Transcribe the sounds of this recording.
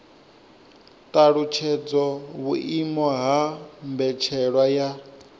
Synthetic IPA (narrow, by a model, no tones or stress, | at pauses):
t̪ʼaɺut͡ʃʰɛd͡zɔβuʔimɔɦambɛt͡ʃʰɛɺwaja